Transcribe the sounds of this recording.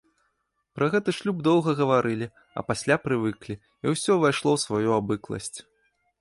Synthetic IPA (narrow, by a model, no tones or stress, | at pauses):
pɾɐɣɛt̪ɐʂlʲub̚d̪ɔwɣɐɣɐvaɾʔɨlʲi | ɐ̰pasʲlʲapɾɨvɨklʲi | iwsʲɔvajʂlˠɔwsvajuabɨklˠɐ̰sʲt͡sʲ